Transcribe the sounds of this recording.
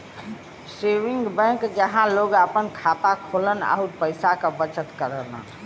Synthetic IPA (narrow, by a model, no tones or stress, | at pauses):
seʋiŋɡbɛ̃kd͡ʒəɦãloɡəpənkʰat̪akʰoləna̰upəɪsakəbət͡ʃət̪kəɾənə̰